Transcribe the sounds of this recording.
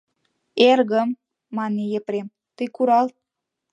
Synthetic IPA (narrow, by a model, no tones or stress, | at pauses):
erɣəmː | ɑnejepɾem | t̪ɨkuɾɑl